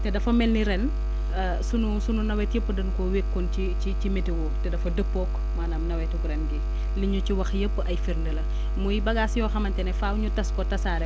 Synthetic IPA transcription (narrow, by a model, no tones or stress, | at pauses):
tɛdɐfɐmɛlniɾɛn | ɐ | sunusununɐwɛtjepːədɐnkɔwekːɔnt͡ʃi | icimetiwɔtɛdɐfɐdəpːɔkː | maːnamnɐwɛtuɡɾɛnɡi | liɲuciwɐxjəpːəʔɐjfiɾndɛlɐ | mujibɐɡasjɔːxɐmɐntɛnɛfaːwɲutɐskɔtɐsaːɾɛ